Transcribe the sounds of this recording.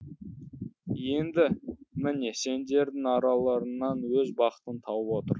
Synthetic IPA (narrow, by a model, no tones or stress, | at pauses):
je̞nd̪ɪmɪne̞se̞nd̪e̞ɾd̪ɪŋɑɾɑlˠɑɾənːɑnwɵzbɑqə̥t̪ənt̪ʰɑwəpwo̞t̪əɾ